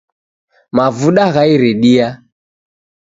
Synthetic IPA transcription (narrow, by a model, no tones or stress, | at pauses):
mavuɗaɣaiɾɛɗia